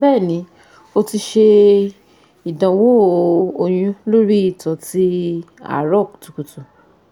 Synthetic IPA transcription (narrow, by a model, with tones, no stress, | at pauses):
bɛː˦˨nĩ˨˦ | o˧ti˧ʃe˧ | i˨dã˨wo˦˨o˧j̃ũ˧lo˦ɾi˦i˦˨tɔ˨˦ti˦ | a̰˦˨ɾɔ˦˨ktu˨ku˨tũ˨